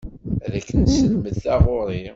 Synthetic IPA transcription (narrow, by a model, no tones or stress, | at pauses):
ðækːənsəlməd̪θɑʁoɾˤi